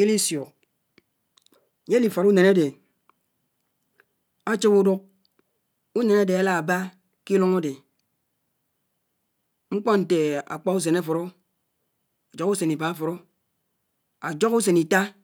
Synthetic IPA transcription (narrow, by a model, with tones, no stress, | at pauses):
e˦li˦sjo˨ | ɲe˦li˨fɔ˨ɾu˦ne˨na˦de˨ | a˦t͡ʃi˦bu˦du˦k̚ | u˦ne˨na˦de˨a˨la˦a˨ba˦ | ki˦lu˦ŋo˦de˨ | ŋ͡m̩˦k͡pɔ˦n̩˨te˨a̰˨k͡pa˦u˦s̬e˨na˦fɔ˨ɾo˦ | a˨d͡ʒɔ˦ku˦se˨ni˨ba˨a˦fɔ˨ɾo˦ | a˨d͡ʒɔ˦ku˦s̬e˨ni˨ta˦